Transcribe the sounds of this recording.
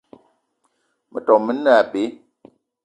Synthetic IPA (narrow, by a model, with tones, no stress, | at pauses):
mə˨tɔ˨mːə˦na˦˨pe˨˦